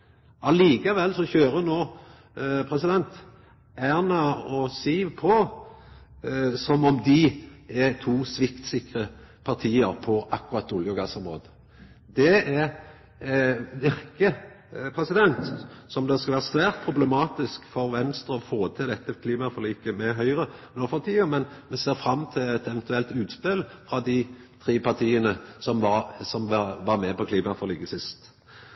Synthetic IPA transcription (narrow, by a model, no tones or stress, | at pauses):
ʔɑliːkɑʋɛlːsɔçøːɾənoː | pʰɾɛsɪd̪ɛnt̪ | æːʁnɑɔsiːʋpʰɔ | sɔmɔmd̪ɪæt̪ʰuːsʋɪkt̪sɪkɾə | pʰɑʁt̪ʰiːəɾpʰɔʔɑkːʉɾɑt̪ːʊljɔɡɑsɔmɾo̰ːd̪ə | d̪ɛæɾ | ʋɪɾkə | pʰɾɛsɪd̪ɛnt̪sɔmd̪ɛskɑlʋæːʁəsʋæːʁt̪̚pʰʁʊblɛmɑːt̪ɪskfɔɾʋɛnst̪ʁəɔfoːt̪ʰɪld̪ɛt̪ːəkʰliːmɑfɔʁliːkəmɛɦœʏʁənoːfɔt̪ʰiːɔmɛnmɛseːɾfɾɑmːt̪ʰɪlɛt̪ɛʋɛnt̪ʉɛlt̪ʉːt̪spɪlfʁɑd̪ɪ | t̪ʰʁiːpɑʁt̪ʰiːənəsɔmɑsɔmʋɑɾmɛpɔkʰliːmɑfɔʁliːkəsɪst̪